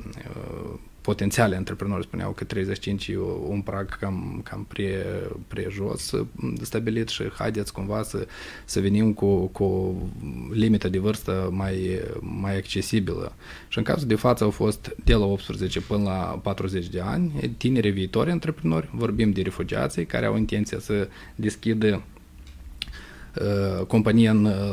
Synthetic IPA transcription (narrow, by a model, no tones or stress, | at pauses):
po̞t̪ent̪sialʲeɨnt̪ɾepɾino̞rʲspunea̰wkət̪ɾe̞jzet͡ʃʃi̥t͡ʃint͡ʃʲeunpɾaɡkamkʰampɾʲepɾʲeʒo̞̰sst̪abilit̪ʃḭha̰jd̪et̪sʲkumvasə | səvenimkukuo | limit̪əd̪evɨrst̪əmajmajakt͡ʃe̞sibilə̰ | ʃiɨŋka̰zuld̪e̞fat̪səawfo̞st̪d̪elao̞p̚t̪spɾezet͡ʃepɨnəla̰pat̪ɾuze̞t͡ʃʲd̪e̞a̰nʲt̪ine̞ɾeviːt̪oɾʲeɨnt̪ɾepɾino̞rʲvo̞rbimd̪e̞ɾe̞fud͡ʒia̰t̪sijka̰ɾea̰wint̪e̞nt̪sijasə | d̪e̞skʲid̪ə | əko̞mpanʲijaɨn